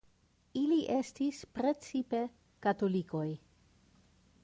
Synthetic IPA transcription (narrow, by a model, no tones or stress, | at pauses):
iliʔe̞stispɾe̞t͡sipe̞ | katoliko̞j